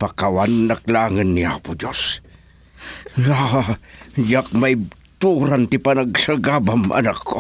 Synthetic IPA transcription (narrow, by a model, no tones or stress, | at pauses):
pakawanːak̚laŋənːia̰pʊd͡ʒos | aajak̚maj | t̪uɾant̪ɪpanaɡsaɡabamʔa̰nakːo